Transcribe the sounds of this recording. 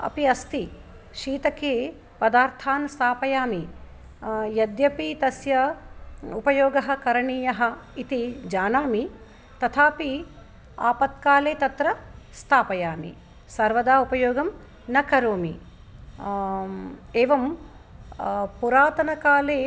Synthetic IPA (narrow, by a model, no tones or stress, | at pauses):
ɐ̰piɐst̪i | ʃiːt̪ɐkeː | pɐd̪aːɾt̪ʰaːnst̪ʰaːpɐjaːmi | jɐd̪jɐpit̪ɐsjɐ | upɐjoːɡɐɦɐ̆kɐɾɐɳiːjɐɦɐ̆it̪id͡ʒaːnaːmi | t̪ɐt̪ʰaːpi | a̰ːpɐt̪̚kaːleːt̪ɐt̪ɾɐst̪ʰaːpɐjaːmḭ | sɐɾʋɐd̪aːupɐjoːɡɐm | nɐkɐɾoːmi | eːʋɐm | puɾaːt̪ɐnɐkaːleː